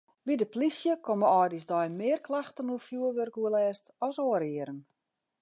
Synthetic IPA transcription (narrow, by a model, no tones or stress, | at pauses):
bidəplisjəkʰoməɔːdisdɔjmɪːrklaxtənuəfjuːəlʋørkuəlɛːstɔsoːəɾiəɾən